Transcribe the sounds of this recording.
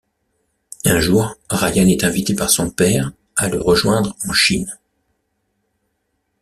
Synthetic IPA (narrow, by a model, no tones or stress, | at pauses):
ɛ̃ʒuːʁʁajanɛt̪ɛ̃vit̪epaʁsɔ̃pɛʁ | aləʁəʒwɛ̃d̪ʁɑ̃ʃin